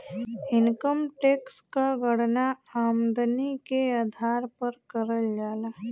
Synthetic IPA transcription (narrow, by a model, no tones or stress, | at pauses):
ɪnkəmʈeːkskaɡəɽnaaːmd̪nikead̪ʱaːɾpəɾkəɾəld͡ʒaːla